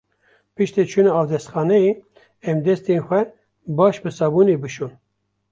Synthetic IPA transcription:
pɨʃt̪eːt͡ʃʰunɑɑːvd̪ɛst̪xɑːnɛje | ɛmd̪ɛst̪eːnxʷɛ | bɑːʃbɨsɑːbuːneːbɨʃuːn

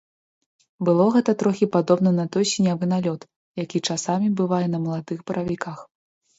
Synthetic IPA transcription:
bɨlˠɔɣɛt̪ɐt̪ɾɔxʲipad̪ɔbn̪ɐnɐt̪ɔjsʲinʲavɨn̪alʲɔt̪ | jakʲit͡ʂasamʲibɨvajɛnɐmɐlˠad̪ɨxbɐɾɐvʲikax

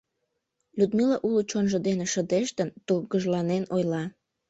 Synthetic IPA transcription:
lʲud̪milɑʔulut͡ɕonʒəd̪eneʃə̆d̪eʃt̪ənt̪ulɡəʒlɑnenojlɑ

